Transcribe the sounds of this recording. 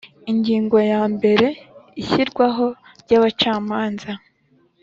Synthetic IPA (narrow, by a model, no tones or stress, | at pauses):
iɲɟiːŋɡo̞jaːmbe̞ɾe̞içiɾɡwaɦo̞ | ɾɟaβat͡ʃaːmaːnza